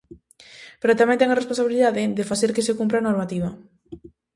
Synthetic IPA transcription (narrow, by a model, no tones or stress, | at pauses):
peɾot̪amɛ̃nt̪ɛŋaresponsaβiliðaðɪðefaθeɾkes̬ekumpɾanoɾmat̪iβɐ